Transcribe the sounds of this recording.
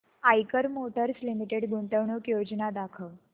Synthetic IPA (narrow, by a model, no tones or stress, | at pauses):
ajkəɾmoʈəɾslimiʈeɽɡuɳʈəʋɳukjod͡znad̪akʰəʋ